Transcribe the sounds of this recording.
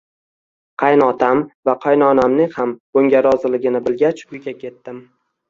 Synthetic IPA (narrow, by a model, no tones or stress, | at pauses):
qʰɑjnɒt̪ʰamvaqʰɑjnɒnamnɪŋhamboŋɡʲaɾɒzɪlɪɡʲɪnɪbɪlɡʲat͡ʃʊjɡʲakʲʰe̞t̪ːɪm